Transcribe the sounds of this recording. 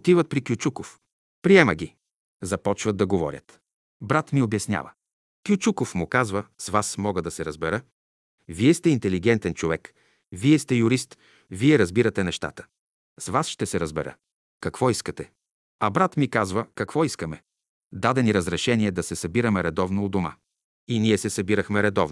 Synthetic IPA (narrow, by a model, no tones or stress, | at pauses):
ot̪ivət̪̚pɾikjut͡ʃukof | pɾiɛməɡʲi | zɐpɔt͡ʃvəd̪ːɐɡovɔ̰ɾʲjə̰t̪ | bɾat̪miobjɐsnʲja̰və̰ | kʲjut͡ʃukofmʊkazvəsvasmɔɡəd̪ɐsɛɾɐzbɛɾə | viɛst̪ɛint̪ɛliɡɛnt̪ɛnt͡ʃovɛk | viɛst̪ɛjʊɾist̪ | viɛɾɐzbiɾɐt̪ɛnɛʃt̪a̰t̪ə̥ | svasʃt̪ɛsɛɾəzbɛɾə̰ | kɐkvɔiskət̪ɛ | ɐbɾat̪mikazvəkɐkvɔiskəmɛ | d̪ad̪ɛniɾəzɾɛʃɛniɛd̪ɐsɛsɐbiɾɐmɛɾɛd̪ɔvnoːd̪oma̰ | iniɛsɛsɐbiɾəxmɛɾɛd̪ɔvn